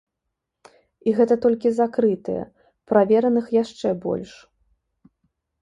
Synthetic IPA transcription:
iɣɛt̪ɐt̪ɔlʲkʲizakɾɨt̪ɨ̰jɛ̰ | pɾavʲɛɾɐnɨxjaʂt͡ʂɛbɔ̰lʲʂ

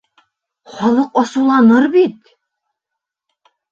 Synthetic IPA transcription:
χɒlˠɤqɒsɤ̆wlˠɑnɤɾbit̪

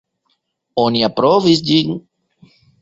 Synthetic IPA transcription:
oniapɾovisd͡ʒiŋ

